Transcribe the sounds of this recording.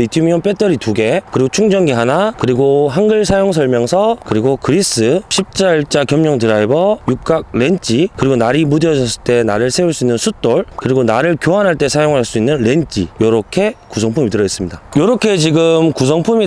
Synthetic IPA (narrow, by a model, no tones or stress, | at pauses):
itʰimiʌnp͈et͈ʌɾituɡe̞kɯɾiɡot͡ɕʰuŋd͡ʑʌŋɡeɦanakɯɾiɡohanɡɯɭsʰajoŋsʰʌɭmjʌŋsʰʌkɯɾiɡokɯɾis͈ɯɕʰip̚t͡ɕ͈aiɭt͡ɕ͈akjʌmɲʌŋtɯɾaibʌjuk̚k͈ak̚ɾe̞nt͡ɕ͈ʰikɯɾiɡonaɾimudɯʌd͡ʑʌs͈ʰɯɭt͈e̞naɾɯɭsʰe̞uɭs͈uinːɯnsʰut͈oɭkɯɾiɡonaɾɯɭkjoɦanɦaɭt͈e̞sʰajoŋɦaɭs͈uinːɯnɾe̞nt͡ɕ͈ijʌɾʌkʰe̞kusʰʌŋpʰumitɯɾʌes͈ɯmɲidajʌɾʌkʰe̞t͡ɕiɡɯmkus̬ʰʌŋpʰumi